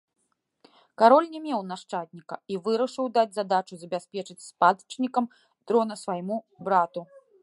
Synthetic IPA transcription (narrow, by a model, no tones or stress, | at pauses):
kaɾɔlʲnʲɛmʲɛwnaʂt͡ʂat̪ʲnʲikɐ̰ivɨɾɐʂɨwd̪ad͡zʲzad̪at͡ʂuzɐbʲasʲpʲɛt͡ʂɨt͡sʲspad̪t͡ʂnʲikɐm | t̪ɾɔnɐsvajmu | bɾat̪u